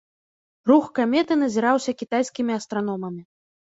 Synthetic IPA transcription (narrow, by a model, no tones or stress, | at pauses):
ruxkamʲɛt̪ɨn̪ɐzʲiɾawsʲɐkʲit̪ajsʲkʲimʲiɐst̪ɾan̪ɔmɐmʲi